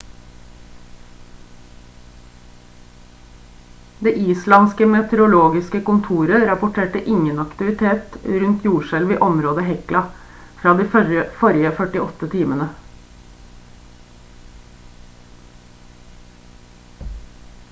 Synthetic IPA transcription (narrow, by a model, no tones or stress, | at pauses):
d̪eːʔiːslɑnskəmɛt̪ʰɛɾʊloːɡɪskəkʊnt̪ʰuːɾəɾɑpʊʈʰeːʈəʔɪŋənɑkt̪ɪʋɪt̪ʰeːt̪ɾʉnt̪ʰjuːʃɛlʋiːʔɔmɾoːd̪əhɛklɑ | fɾɑːd̪iːfɔɾɪəfœʈɪɔt̪ət̪ʰiːmənə